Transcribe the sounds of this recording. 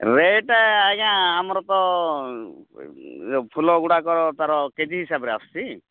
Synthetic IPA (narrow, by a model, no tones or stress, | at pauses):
ɾeʈaeaɡãamɔɾɔt̪ɔ | pʰulɔɡuɽakɔɾɔt̪aɾɔked͡ʒiɦisabɔɾeasti